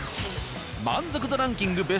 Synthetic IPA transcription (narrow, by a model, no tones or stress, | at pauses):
ma̰nd͡zɯkɯd̪ɯɾãŋkʲiŋɡɯbe